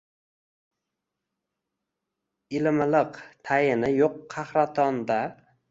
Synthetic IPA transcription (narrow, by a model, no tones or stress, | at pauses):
ɪlmlɪqt̪ʰajɪnɪjoqːʰɑhɾat̪ʰɒnd̪a